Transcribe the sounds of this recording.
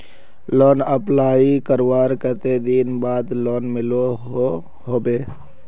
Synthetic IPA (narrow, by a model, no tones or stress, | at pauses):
lɔːnəplaːikəɾwaːɾkət̪ed̪iːnbaːd̪lɔːnmɪlo | hoːbeː